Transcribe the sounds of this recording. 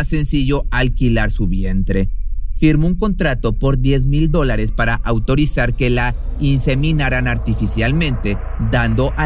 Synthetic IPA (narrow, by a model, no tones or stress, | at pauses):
sːe̞nsiʝo̞alkilaɾsuβje̞nt̪ɾe̞fiɾmouŋko̞nt̪ɾat̪o̞po̞ɾd̪jezmild̪o̞laɾe̞spaɾaʔawt̪o̞ɾisaɾke̞lainse̞mĩnaɾanaɾt̪ifisjalmẽ̞nt̪e̞ | d̪and̪o̞ʔa